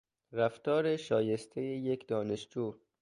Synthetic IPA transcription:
ɾæft̪ɒːɾeʃɒːje̞st̪ʰejejekd̪ɒːneʃd͡ʒuː

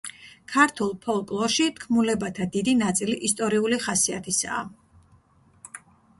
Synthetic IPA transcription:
kʰaɾt̪ʰulˠpʰɔlˠkʼlˠɔʃit̪kʰmulɛbat̪ʰad̪id̪inat̪sʼiliʔist̪ʼɔɾiuliχasiat̪ʰisa̰ː

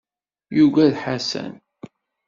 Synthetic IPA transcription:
juɡæðħasæ̰n

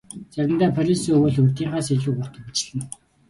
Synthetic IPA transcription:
t͡sæɾʲɪ̆nt̪æːpʰœɾʲisuwɘɮut̪iːɴχaːs̬eɮuːpɔt̪ə̆it͡ɕɮɘ̆n

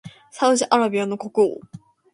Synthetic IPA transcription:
saɯ̟ʑiʔaɾabʲiano̞ko̞kɯ̟o̰

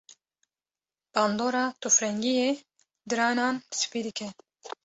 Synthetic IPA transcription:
b̥ɑːnd̪oːɾɑːt̪ʰufɾɛŋɡije | d̪ɨɾɑːnɑːnsɨ̥piːd̪ɨkʰɛ

